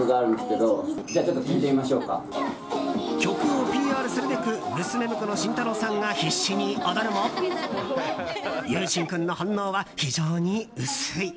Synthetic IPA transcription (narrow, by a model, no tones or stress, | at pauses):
ɯɡaːɾɯ̟nd̪esɨ̥ke̞d̪od͡ʑaːt͡ɕo̞t̪ːok̪ʲimit̪emʲimaɕo̞ːka̰ | kʲo̞kɯopʲiːaːɾɯ̟sɨɾɯbe̞kɯ̟mɯ̟sɨme̞mɯ̟kɯno̞ɕĩnt̪ano̞ːsãŋɡaçiɕːiɲ̟iod̪aɾɯ̟mo | jɯːɕĩŋkɯ̟̃nːo̞hãnːo̞ːβaçiʑo̞ːɲ̟iɯ̟sɯi